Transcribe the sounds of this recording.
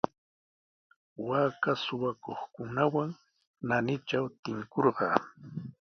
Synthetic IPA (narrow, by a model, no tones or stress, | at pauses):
waːkasʊwakoχkʊnawaŋ | nanɪt͡ʃawt̪ɪŋkoɾɢɑ̰ː